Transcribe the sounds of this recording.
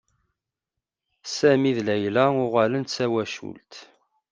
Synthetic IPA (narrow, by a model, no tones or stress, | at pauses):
sæmiðlæjlæʊʁalənt̪t͡sːæwæʃṵlt̪